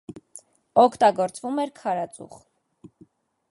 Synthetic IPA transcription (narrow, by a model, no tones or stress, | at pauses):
ɔkʰt̪ɑɡɔɾt͡svumɛɾkʰɑɾɑt͡sʼṵχ